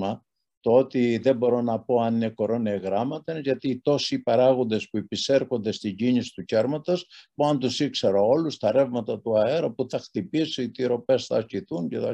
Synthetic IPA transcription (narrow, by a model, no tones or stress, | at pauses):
ɐ | t̪oot̪iðe̞bo̞ɾo̞nɐpo̞ɐnineko̞ɾo̞neɣɾɐmɐt̪enʝɐt̪iːt̪o̞sipɐɾɐɣo̞nd̪e̞spuepise̞ɾxo̞nd̪e̞st̪iɲɟinisi̥t̪uce̞ɾmɐt̪ɐspuɐnt̪usikse̞ɾoo̞lust̪ɐɾe̞vmɐt̪ɐt̪uɐe̞ɾɐpuθɐxt̪ipisiit̪iɾo̞pe̞sθɐɾciθuɲcet̪ɐ